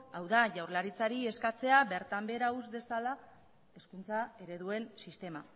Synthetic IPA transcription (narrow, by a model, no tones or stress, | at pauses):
awðaʝawrlaɾit͡saɾieskat͡se̞aβe̞ɾt̪ambe̞ɾauzbe̞sala | e̞skunt͡sae̞ɾe̞ðue̞nsist̪e̞ma